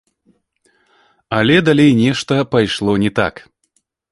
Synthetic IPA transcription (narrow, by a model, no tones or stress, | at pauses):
alʲɛd̪alʲejnʲɛʂt̪ɐpajʂlˠɔnʲɛt̪a̰k